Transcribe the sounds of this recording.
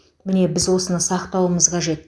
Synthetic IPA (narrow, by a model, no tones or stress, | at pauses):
mɪne̞bɪzwo̞sənəsɑqt̪ɑwəməzqʰɑʒe̞t̪̚